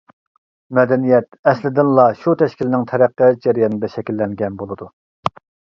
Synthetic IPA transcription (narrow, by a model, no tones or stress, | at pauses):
mɛd̪ɛnijɛt̪ɛslɪd̪ɪnlˠɑʃut̪ʰɛʃkʲilɪnɪŋt̪ʰɛɾæqːɛd͡ʒɛɾjɑnɨd̪ɛʃɛkʲilːɛŋɡʲɛnbolˠɨd̪u